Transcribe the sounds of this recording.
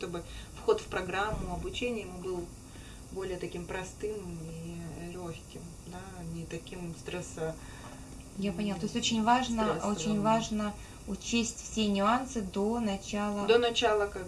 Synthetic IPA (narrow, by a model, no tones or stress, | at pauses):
t̪obɨfxo̞t̪fpɾɐɡɾamːʊɐbʊt͡ɕenʲɪjəmbɨlˠ | bo̞lʲɪjət̪ɐkʲimpɾɐst̪ɨmilʲoxʲkʲɪm | d̪anʲɪt̪ɐkʲimst̪ɾɛsə | japənʲɪat̪osʲtʲot͡ɕɪnʲvaʐnəo̞t͡ɕɪnʲvaʐnə | ʊt͡ɕesʲtʲfsʲe̞nʲʊansɨd̪o̞nɐt͡ɕalˠəd̪onɐt͡ɕalˠəka